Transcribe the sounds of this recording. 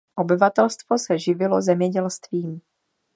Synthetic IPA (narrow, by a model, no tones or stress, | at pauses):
ʔo̞bɪvat̪ɛlst̪vo̞sɛʒɪvɪlo̞zɛmɲɛɟɛlst̪viːm